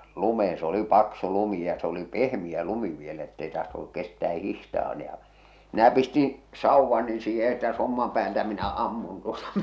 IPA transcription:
lumeːẽ s oli pɑksu lumi jɑ s oli pehmij̆æ lumi ʋielæ etːei tɑhtonuk kestæː hihtɑː n jɑ minæ pistĩː sɑuʋːɑni siːhe etːæ somːɑm pæːltæ minæ ɑmːun tuotɑ

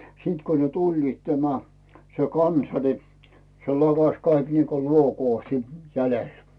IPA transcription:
siˑt ko ne tulʲliːt tæmæ se kɑnsɑ ni̞ se lɑkɑs kɑik niːko luokoː siːt jælel

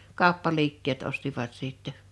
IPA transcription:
kɑˑo̝pːɑliːkːeːt ostiʋɑt siˑtːɛ

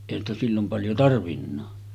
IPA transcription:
eˑihæn stæ silːom pɑljo tɑrʋinːɑː

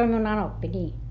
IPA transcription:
om miun ɑnopːi nʲiː

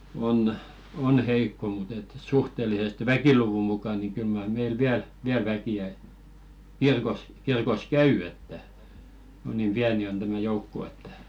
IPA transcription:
on on heikːo mut et suhtelisest ʋækiluʋu mukɑ ni kyl mɑr meil ʋiæl ʋiæl ʋækiæ kirkos kirkos kæy etːæ kun niːm piæni on tæmæ joukːo etːæ

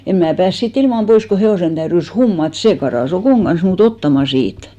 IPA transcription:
em mæː pæːs siːt ilmɑm pois ko heoˑsen tæyrys humːɑt seː kɑrɑˑs okoˑŋ ɡ̊ɑn̞s muːt otːɑmɑ siːt

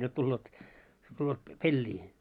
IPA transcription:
jot tulːeːt tulːeːt p pelːiː

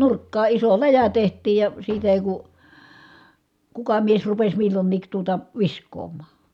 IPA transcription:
nurkːɑː iso læjæ tehtˑiːj jɑ siːtæ eˑi ku kukɑ mies rupes milːonːiːk tuotɑ ʋiskˑoːmˑɑː

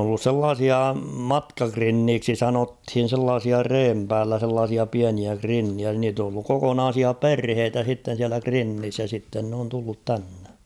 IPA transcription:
on olːus selːɑːsiɑ mɑtkɑkrinːiːksi sɑnothin̞ selːɑːsiɑ reːm pæːlːæ selːɑːsiɑ piæniæ krinːiæ niːt on olːuk kokonɑːsiɑ perheːtæ sitːen̞ siælæ krinːis jɑ sitːen n oːn tulːut tænːe

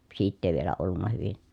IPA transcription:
siːtː eˑi ʋielæ olːunːɑ hyʋin

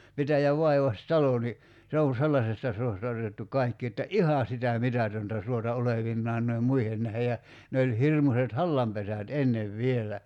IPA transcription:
pitæjæʋ ʋɑiʋɑstɑlo ni se on̞ selːɑsestɑ suostɑ otetːu kɑikːi etːæ ʔihɑ sitæ mitætøntæ suotɑ oleʋinːɑːn noiem muihen næhe jɑ ne olʲ hirmuset hɑlːɑmpesæt enːeʋ ʋielæ

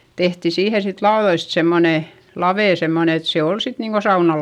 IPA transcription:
tehti siːhe sit lɑoðoist semːone lɑʋeˑ semːone et se ol sit niːŋ ɡ̊o sɑunɑ

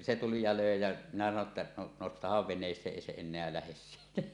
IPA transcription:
se tuli jɑ løˑe jæ minæ sɑno tːɑ no nostɑhɑʋ ʋenˑeːsˑeːʔ ʔeˑi se enˑeæ læhes siːtæ

